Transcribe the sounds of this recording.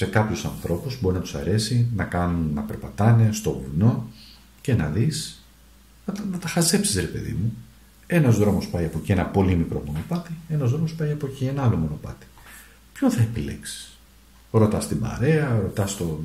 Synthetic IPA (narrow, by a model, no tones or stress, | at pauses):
se̞kɐpçosɐnθɾo̞puzbo̞ɾinɐt̪u̥sɐ̰ɾe̞sinɐkɐnunːɐpe̞ɾpɐt̪ɐne̞st̪o̞ɣṵlno̞ | ce̞nɐðis | ɐt̪nɐt̪ɐxɐze̞psi̥sɾepe̞̰ðḭmu | e̞nɐzðɾo̞mo̞spɐjɐpo̞cenɐpo̞limikɾo̞mo̞no̞pɐt̪ie̞nɐzðɾomo̞spɐjɐpo̞cienɐɐlomo̞no̞pɐ̰t̪i̥ | pço̞nθɐe̞pile̞̰ksi̥s | ɾo̞t̪ɐst̪imɐ̰ɾe̞ɐɾo̞t̪ɐst̪o̞